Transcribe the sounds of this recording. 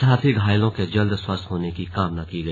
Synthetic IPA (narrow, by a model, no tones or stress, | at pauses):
ɦaːt̪ʰiɡʱaːɪlõked͡ʒɐld̪swɐst̪ɦoːnekikaːmnakiɡɐ